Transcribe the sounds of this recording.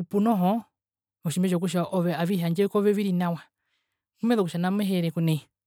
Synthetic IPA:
upunɔɦɔ | ɔʃimbɛʃɔk̬uʃ̬aʔɔʋɛaβiɦaɲd͡ʒɛkɔʋɛʋiɾinawa | kumɛðɔkuʃanamɛɦɛɾɛkunɛi

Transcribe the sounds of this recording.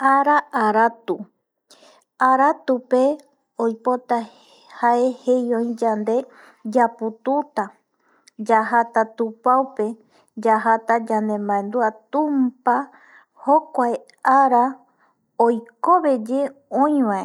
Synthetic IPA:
aɾaʔaɾat̪u | aɾat̪upe | ojpo̞t̪a | hae̞hejõĩd͡ʒand̪e̞ | d͡ʒaput̪ut̪a | d͡ʒaɦat̪at̪upaupe̞ | d͡ʒaɦat̪ad͡ʒand̪e̞mbãẽnd̪uat̪ũmpa | hokʷae | aɾa | ojkoβe̞d͡ʒe̞õj̃ʋãe

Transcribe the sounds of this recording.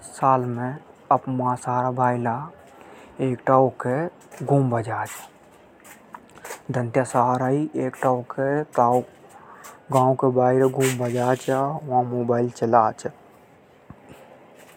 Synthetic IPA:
saːlmẽəpmãsaːɾabaːila | eːkʈaːoke | ɡʱuːmbəd͡ʒaːt͡ʃʰḁ | d̪ʱənt̪jasaːɾaiʔeːkʈaːuket̪aw | ɡãːũkebaːiɾeɡʱuːmbəd͡ʒaːt͡ʃaʋãmoːbaːɪlt͡ʃəlaːt͡ʃ

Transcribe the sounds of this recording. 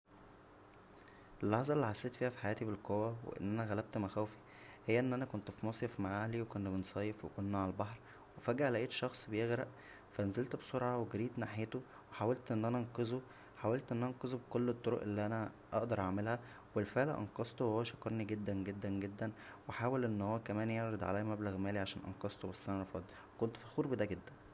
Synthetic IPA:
ʔelːɑħzˤɑelːiħasːeːt̪fiːhæfi̥ħajæːt̪ibelqowæwḛʔḛnːʔænæɣælæb̚t̪mæxæwfi̥ | hejːæʔenːʔænækont̪fimɑːsˤjefmaʕaːliwekonːt̪bensˤɑːjefwekonːʕalælbɑħɾˤ | wefæɡæʔlæʔeːt̪ʃɑxsˤbejeɣɾæʔ | fænzelt̪bsˤoɾʕɑweɡeɾiːt̪naħjet̪o | weħawælt̪ʔenːʔænæɑnqezo | ħawælt̪ʔenːʔænqezobekolːet̪ˤːoɾo̰ʔelːiʔænæ | ʔɑ̰ʔd̪ɑɾˤʔaʕmelhæ | welfeʕlæ̰ʔɑ̰nqɑst̪owehowːæʃɑkːɑɾˤniɡed̪ːænɡed̪ːænɡed̪ːænweħaːwelʔenːhowːækæmæːnjeʕɾˤed̪ʕa̰læjːæmæblæɣmæːliʕaʃæːnʔɑ̰nqɑst̪obæsːʔænæɾˤɑfɑd̪ˤ | wekont̪fixuːɾbed̪æɡed̪ːæn

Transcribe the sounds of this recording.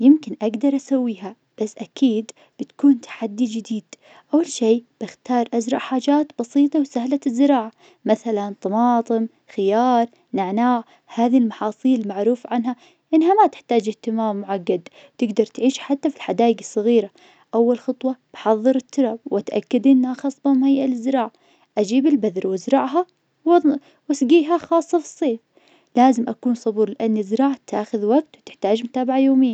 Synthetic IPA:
jɪmkɪnʔaɡd̪ɑɾˤʔasawːiːɦa | b̥asːʔakiːd̪ | b̥ɪt̪kuːnt̪ʰḁħad̪ːid͡ʒɪd̪iːd̪̥ | ʔawːalʃeːb̥ɪxt̪ɑːɾˤʔad͡ʒɾˤɑʔħaːd͡ʒaːt̪bɑsiːt̪ˤɑwsahlazːɪɾɑːʕa | maθalant̪ˤɑmɑːt̪ˤɨm | xɪjɑːɾˤ | nɪʕnaːʕ | haːðilmɑħɑːsˤiːllmaʕɾuːfʕanɦa | ʔɪnɦamat̪ɪ̥ħt̪aːd͡ʒɪht̪ɪmaːmːʊʕaɡːad̪ | t̪ɪɡd̪ɑɾˤt̪ʕiːʃħat̪ːafilħad̪aːjɪɡɨsˤːɑɣiːɾa | ʔawːalxɨt̪ˤwɑb̥ħɑðˤːɨɾɪt̪ːʊɾˤɑb̚wʔat̪ʔa̰kːad̪ʔɪnːhaxɑːsˤbɑmajʔalɪzɾɑːʕ | ʔad͡ʒiːbɪlbaðɾwɪzɾˤɑʕɦa | w | wasɡiːɦaxɑːsˤːɑfɨ̥sˤːeːf | laːzɪmʔakuːnsˤɑbuːɾˤlɪʔanːɪzɾˤɑːʕt̪ʔaːxʊðwaɡ̚t̪wt̪ɪ̥ħt̪aːd͡ʒmʊt̪aːbaʕajoːmɪjːa

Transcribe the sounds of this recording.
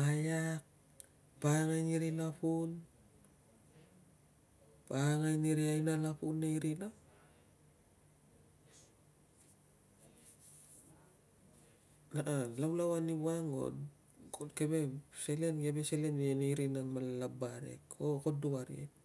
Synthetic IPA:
ajak̚ | paŋajniɾilapun | paŋajniɾiajnalapunːaiɾina | laalawlawanibaŋɡo̰d | kokebeselenkebeselenneiɾinanmallabaɾḛkokoduwaɾḭ

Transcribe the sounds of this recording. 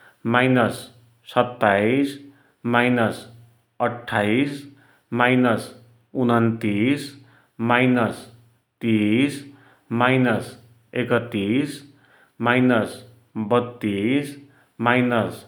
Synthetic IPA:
majnʌsː | ʌt̪ːais | majnʌs | ʌʈʰːais | majnʌs | unʌnt̪is | majnʌs | t̪is | majnʌs | ekʌt̪ːis | majnʌs | bʌt̪ːis | majnʌs

